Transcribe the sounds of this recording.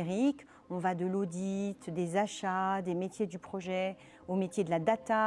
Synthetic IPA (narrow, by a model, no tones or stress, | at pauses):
ʁik | ɔ̃vad̪əlod̪it̪d̪ezaʃad̪emet̪jed̪ypχɔʒɛ | omet̪jed̪əlad̪at̪a